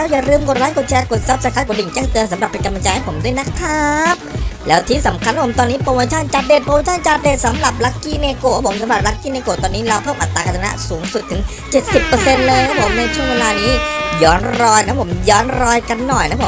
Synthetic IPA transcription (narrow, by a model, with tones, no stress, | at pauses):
lɛː˦˥wja˨˩ɾɯː˧mko˨˩t̚ɾaː˦˥nko˨˩t̪̚t͡ɕʰɛː˧ko˨˩t̪̚sa˦˥p̚sa˧kʰa˦˥ko˨˩˦di˨˩ŋt͡ɕɛː˥˩ŋt̪ɤː˧nsa˩˦mɾa˨˩pːe˧nka˧ma˧t͡ɕa˧jha˥˩pʰo˩˦mdu˥˩˨jna˦˥k̚t̪ʰːaː˧˥p̚lɛː˦˥wt̪ʰiː˦˥sa˩˦mkʰa˧nka˦˥pʰmt̪ɔː˧nːiː˦˥poː˧wa˧t͡ɕʰaː˥˩nt͡ɕa˨˩t̪̚de˨˩t̪̚poː˧weː˧˥t͡ɕʰaː˥˩nt͡ɕa˨˩t̪̚de˨˩t̪̚sa˨˦mɾa˨˩p̚la˦˥kːiː˧˥˩neː˧koː˨˩ka˦˥pʰo˩˦msa˨˦mɾa˨˩ɾa˦˥kːiː˥˩neː˧koː˨˩t̪ɔː˧nːiː˦˥ɾa˧wpʰɤː˥˩mʔa˨˩t̪ːaː˧ka˧t̪ʰa˧na̰˦˥suː˩˦ŋsu˨˩t̪ʰːɯ˩˦ŋ | t͡ɕe˨˩t̪̚si˨˩pːɤː˧se˧nlɤː˧jkʰa˦˥pʰo˩˦mna˧jt͡ɕʰu˥˩əŋwe˧laː˧niː˦˥jɔː˦˥nɾɔː˧jna˦˥pʰo˩˦mjɔː˦˥nɾɔː˧jka˧nːɔ˨˩jna˦˥pʰ